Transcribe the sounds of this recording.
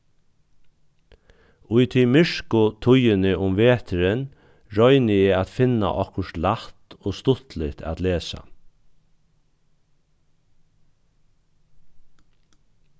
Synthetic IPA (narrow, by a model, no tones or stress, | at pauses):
ʊjt̪ʰimɪʂkʊt̪ʰʊjɪnɪʔʊmʋeːt̪ʰəɾɪn | ɹɔʏnɪɛat̪fɪna̰ʔɔ̰hkʊʂt̪laht̪oːst̪ʊt̪lɪt̪ʰa̰t̪leːsa̰